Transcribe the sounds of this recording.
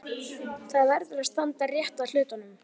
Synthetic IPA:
θaðvɛɾðʏɾast̪ant̪arjɛht̪aðl̥ʏːt̪anʏm

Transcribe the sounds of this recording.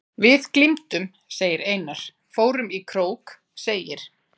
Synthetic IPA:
vɪðklimt̪ʏm | seːjɪɾeːjnaɾ̥ | foːwɾʏmikʰɾoːwk | seːjɪɾ̥

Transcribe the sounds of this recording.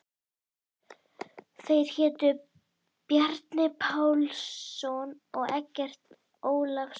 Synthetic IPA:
θejɾ̥çɛːt̪ʏ | pjɛɾt̪nɪpʰaːwlsɔn | ɔɣɛcːɛr̥t̪ | oːwlaxs

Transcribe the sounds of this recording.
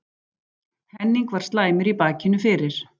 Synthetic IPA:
hɛnːiŋkvaɾ̥st̪laːjmɪɾipaːcɪnːʏfɪːɾɪɾ̥

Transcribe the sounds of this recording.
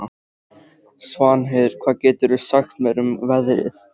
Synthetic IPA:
svaːnɦɛðɾ̥kʰv̥aːðcɛːt̪ʏɾʏsaxt̪mɛɾʏmvɛðɾɪ̰θ

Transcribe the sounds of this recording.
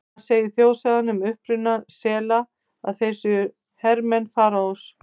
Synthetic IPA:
seːjɪθjoːwsaðanʏmʏhpɾʏnːasɛːla | a̰ðθejsʏ | hɛɾmɛnfaːɾaus

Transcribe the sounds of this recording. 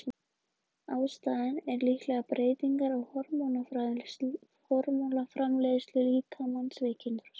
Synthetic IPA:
aːwst̪aːðɪnɛɾlihk̪lɛɣapɾeːjt̪iŋkaɾɔɣhɔɾmownafɾa | hɔɾmolafɾamleðʏst̪lʏliːkʰamansvɪːcɪnt̪ʏɾɾ̥

